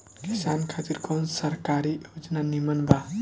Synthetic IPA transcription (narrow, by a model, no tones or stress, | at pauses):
kisankʰat̪iɾkɔnsəɾkaɾijod͡ʒnanimənba